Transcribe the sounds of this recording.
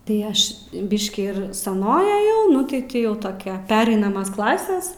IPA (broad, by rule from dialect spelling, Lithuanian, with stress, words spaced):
tɐɪ ˈɐʃ ˈbʲɪʃʲkʲiː ɪr sɐˈnoːj ɐˈjɛʊ ˈnʊ tʲɪ ˈtʲiː ˈjɛʊ ˈtoːkʲɛ ˈpʲæːrɐɪnɐmɐs ˈklˠɑːsʲɛs